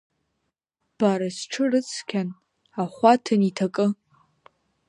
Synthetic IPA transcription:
b̥aɾasʈ͡ʂʰɨrɨt͡sʰkʲʰan | aχʷatʰɨnitʰakʼɨ

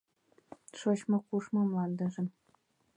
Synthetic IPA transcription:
ʂɤ̆ɕmɤ̆kuʂmɤ̆mlˠɑnd̪ɤ̆ʐɘ̆n

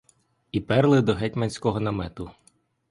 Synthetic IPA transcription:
ipɛrlˠɪd̪ɔɦɛtʲmɐnʲsʲkɔɦɔnɐmɛt̪ʊ

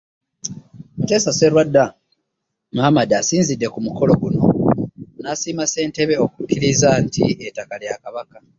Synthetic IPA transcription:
mute̞ːsase̞lwadːa | muamadasiːnzidːe̞kumuko̞lo̞ɡuno̞̰nasiːmase̞ːnte̞βe̞okukːiɾizantḭetakaljakaβaka

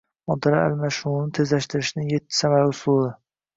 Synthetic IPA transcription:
ɒd̪aɾaa̰lmaʃʊnɪt̪ʰe̞zlaʃt̪ɪɾɪʃnɪŋjet̪ʰːɪ̥samaɾʊsulɪ

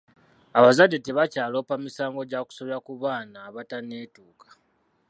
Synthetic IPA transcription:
aβazadːete̞βacaːlo̞ːpamisaːŋɡo̞ɟaku̥soβɾakuβaːnaːβataneːtuːkḁ

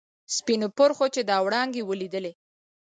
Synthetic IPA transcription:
spinopʊɾxot͡ʃed̪ɑwɽɑŋɡewəlid̪əle

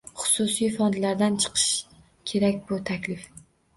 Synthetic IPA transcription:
χʊ̥sʊsijfɒnd̪laɾd̪ant͡ʃʰɨ̥qʰɨ̥ʃ | kʲʰe̞ɾakʲbʊt̪ʰakʲlɪf

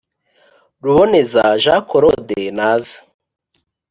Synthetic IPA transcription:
ɾuβone̞zaʒakoɾodenaːzḁ

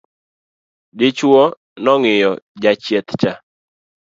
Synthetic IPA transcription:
dɪt͡ʃwo | nɔŋɪjɔd͡ʒat͡ʃjɛt̪t͡ʃa

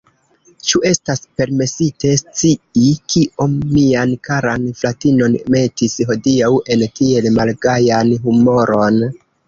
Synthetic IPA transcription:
t͡ʃue̞staspe̞ɾme̞site̞st͡siikʰiʔo̞mːiankaɾanflatino̞nme̞tisɦo̞diawe̞ntie̞lmalɡajanɦumo̞ɾo̞n

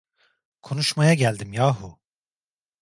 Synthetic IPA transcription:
kʰo̞nuʃmajaɟælʲd̪imjaːɦu

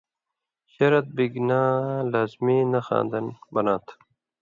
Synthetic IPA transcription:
ɕɐɾɐt̪̚biɡnaːlaːzmiːnɐxa̰ːnd̪ɐnbɐnaːt̪ʰ

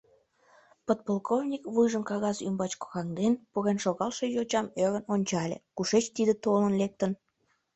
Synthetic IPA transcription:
pət̪̚polˠkʰovnʲikβujʒəmkɑɣɑzymbɑt͡ɕko̥xɑŋd̪enpuɣenʃoɣɑlʃejot͡ɕɑmøɣənonʲt͡ɕɑlʲḛkuʃet͡ɕt̪id̪et̪olənlek̚t̪ən

